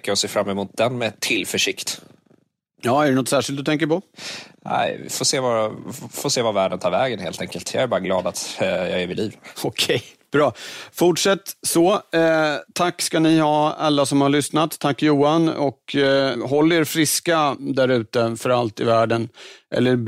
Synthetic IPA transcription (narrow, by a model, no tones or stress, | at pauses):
kːəɾɔseːfɾamːɛmuːt̪̚d̪ɛnmɛt̪ʰːɪlfœʂɪkt̪ | jɑːæɖɛnɔt̪sæːʂɪlt̪̚d̪ɵt̪ʰɛŋk̬əɾpɔnæ̰ɪvɪ̰foːseːvafoseːvavæːɖənt̪ʰɑːɾvɛːɡənheːlt̪ʰɛŋkəlt̪ʰjɑ̰æɾbɑːɾaɡlɑːd̪at̪jɑ̰ɡɛɾvɪliːvɔkʰɛj | b̥ɾɑːfʊʈʂɛt̪ːsɔ | t̪ʰakːskanɪhɑːalːasɔmhaɭʏsnat̪ʰːakːjuːanɔkɦɔlːeːɾfɾɪskad̪æɾʉ̟ːt̪əfœɾalt̪ɪvæːɖənʔɛ̰lːəɾ